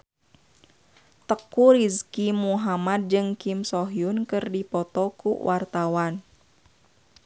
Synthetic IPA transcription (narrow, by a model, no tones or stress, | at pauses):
t̪əkuɾiskimuɦamad̪̚d͡ʒɨŋkimsɔɦiunkɨrdipɔt̪ɔkṵwʔart̪awan